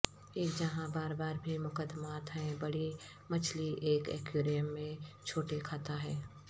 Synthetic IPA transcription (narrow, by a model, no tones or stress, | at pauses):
eːkd͡ʒɐɦãbaːɾbaːɾbʱimʊkəd̪maːt̪ɦɛ̃bɐɽi | mɐt͡ʃʰliʔeːkɛ̰ːkjuːɾijəmːẽt͡ʃʰoːʈekʰaːt̪aɦɛː